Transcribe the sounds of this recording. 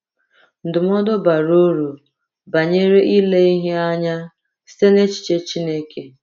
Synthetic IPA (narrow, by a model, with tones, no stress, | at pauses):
n̩˨dʊ˨m˦ɔ˦dɔ˦ba˨ɾo˦ɾu˨ | ba˨ɲe˦ɾe˦ʔi˦le˦i˦ɦe˦a˦ɲa˦ | si̥˦te˦ne˦t͡ʃi̥˨t͡ʃe˦t͡ʃi˦ne˦ke˨